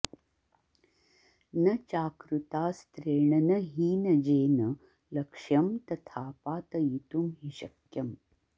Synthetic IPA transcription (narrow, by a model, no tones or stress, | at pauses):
nɐt͡ʃaːkɾut̪aːst̪ɾeːɳɐnɐɦiːnɐd͡ʒeːnɐ | lɐkʂjɐmt̪ɐt̪ʰaːpaːt̪ɐjit̪umɦiʃɐkjɐm